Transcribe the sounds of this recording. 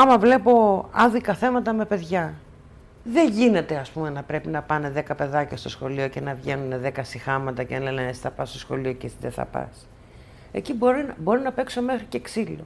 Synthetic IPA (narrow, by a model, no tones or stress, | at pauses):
ɐmɐvle̞po̞ɐðikɐθe̞mɐt̪ɐme̞pe̞ðʝɐ | ðe̞ʝine̞t̪e̞ɐspume̞nɐpɾe̞pinɐpɐne̞ðe̞kɐpe̞ðɐcɐst̪o̞sxo̞lio̞ce̞nɐvʝe̞nuneðe̞kɐsixɐmɐt̪ɐcelenenesi̥θɐpɐst̪o̞sxo̞̰lio̞cesiðeθɐ̰pɐ̰s | e̞̰ciboɾinɐbo̞ɾinɐpe̞kso̞me̞xɾiceksilo̞